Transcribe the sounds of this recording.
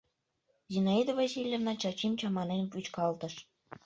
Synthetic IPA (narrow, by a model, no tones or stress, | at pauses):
zinɑid̪ovɑsʲilʲjevnɑt͡ɕɑt͡ɕimt͡ɕɑmɑnenʲpyt͡ɕkɑlˠt̪ɤ̆ʃ